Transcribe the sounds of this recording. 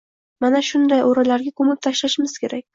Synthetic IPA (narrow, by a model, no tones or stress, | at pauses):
manaʃʊnd̪ajoɾalaɾɡʲakʰɵmɪp̚t̪ʰaʃlaʃɪmɪz̥kʲe̞ɾakʲ